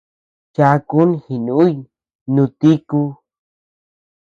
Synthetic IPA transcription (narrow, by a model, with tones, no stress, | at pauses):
t͡ʃa˧ku˦nhi˨nũ˦ | nũ˧t̪i˦ku˧